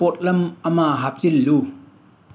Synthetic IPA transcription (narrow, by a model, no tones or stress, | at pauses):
ɔt̚lɐmɐmaːɦap̚t͡silːu